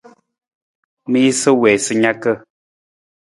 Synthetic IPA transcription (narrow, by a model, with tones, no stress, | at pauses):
mi˦i˦sə˦wɛ˨sɨ˦ɲa˦kə˦˨